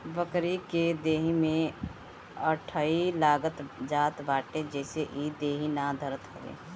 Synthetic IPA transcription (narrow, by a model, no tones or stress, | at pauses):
bəkɾiked̪eːɦimẽ | əʈʰailaːɡət̪d͡ʒaːt̪baːʈẽd͡ʒɛːseʔid̪eːɦinad̪ʱəɾət̪kəɾḛː